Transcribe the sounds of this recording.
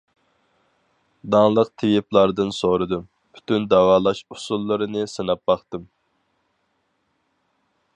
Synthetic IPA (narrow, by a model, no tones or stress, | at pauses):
d̪ɑŋlˠəq̚t̪ʰɪviplˠɑɾd̪ɨnsoɾɨd̪ɨm | pʰy̥t̪ʰynd̪æwɑːlˠɑʃusulˠːɨɾɨnɨsɨnɑp̚bɑχt̪ɨm